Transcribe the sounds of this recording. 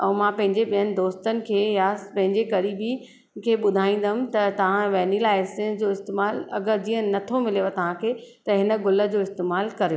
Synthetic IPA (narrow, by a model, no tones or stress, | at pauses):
ɛ̃mãːpɐ̃ɦɪ̃ɲd͡ʑeɓijənɪ̆d̪oːst̪ənɪ̆kʰeːjapɐ̃ɦɪ̃ɲd͡ʑekɐɾiːbi | kʰeːɓʊd̪ʱaːĩːn̆d̪əɦʊ̃mt̪ɐt̪ɐʋ̤ãʋɛːnilaːɪsɪ̃d͡ʑoːɪst̪eːmaːlɐɡəɾd͡ʑiːə̃nɐt̪ʰomɪleːʋot̪ɐʋ̤ãkʰeːt̪ɐɦɪnə̆ɡʊlə̆d͡ʑoːɪst̪eːmaːlkɐɾejo